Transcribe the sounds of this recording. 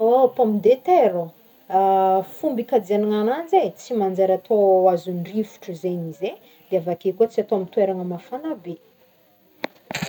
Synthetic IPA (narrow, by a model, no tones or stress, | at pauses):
opomid̪et̪eɾo | fumbikad̪ianiŋanand͡zet͡simand͡zeɾat̪ʰoazunrifu̥ʈ͡ʂəzenize | d̪̥eavakekuət͡siat̪oamit̪weɾaŋəmafanabe